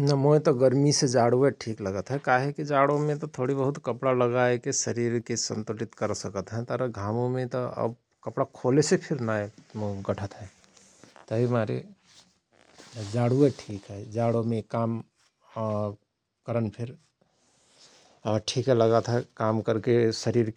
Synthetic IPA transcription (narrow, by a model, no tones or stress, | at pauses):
nəɦmoːĩt̪ɔɡəɾmised͡ʒaːɽueʈʰiːkləɡət̪ɦɛkaːɦekid͡ʒaːɽomẽt̪ɔt̪ʰoɽibəɦʊt̪kəpɽaləɡaekesəɾiɾkesə̰̃nt̪olit̪kəɾsəkət̪ɦɛ̃t̪əɾəɡʱaːmõmẽt̪ɔə̰b | kəpɽakʰoːlesepʰɪɾnaːeɡəʈʰət̪ɦɛ̃ | t̪əɦimaɾḛ | d͡ʒaːɽueʈʰiːkɦɛd͡ʒaɽomẽkaːm | kəɾənpʰɪɾ | ʈʰiːkɦɛləɡət̪ɦɛkaːmkəɾkesəɾiɾ